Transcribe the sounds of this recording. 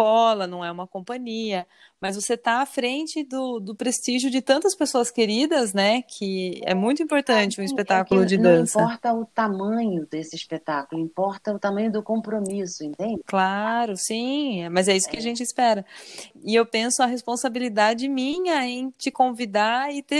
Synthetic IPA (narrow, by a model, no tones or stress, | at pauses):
ɔlɐnɐ̃w̃ɛũmɐkõpɐ̃ɲiɐ | mɐzvoset̪aːfɾẽnt͡ʃɪd̪ʊd̪ʊpɾest͡ʃiʒjʊd͡ʒɪt̪ɐ̃nt̪ɐspesoɐskeɾid̪ɐznɛkʰɪɛ̰mũj̃t̪ʊĩpoɾt̪ɐ̃nt͡ʃɪũispet̪akʊllʊd͡ʒɪd̪ɐ̃spɐɔɾt̪ɐʊt̪amɐ̃ɲʊd̪esɪispet̪akʊlʊĩpɔɾt̪ɐʊt̪amɐ̃ɲʊd̪ʊkõpɾomisʊẽnt̪ẽnd͡ʒɪklaɾʊsĩɛmɐzɛisʊ̥kɪɐʒẽnt͡ʃɪspɛɾɐɪewpẽsʊɐɦespõsabilid̪ad͡ʒɪmĩɲɐẽẽj̃t͡ʃɪkõvid̪aɪt̪e